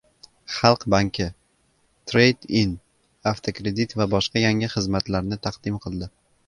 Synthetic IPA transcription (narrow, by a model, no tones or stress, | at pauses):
χɑlˠqbaŋkʲʰɪ | t̪ʰɾejd̪in | aft̪ʰokɾe̞d̪it̪vabɒʃqɑjaŋɪχɨzmat̪laɾnɪt̪ʰaqd̪̥ɪmqʰɨlˠd̪ɪ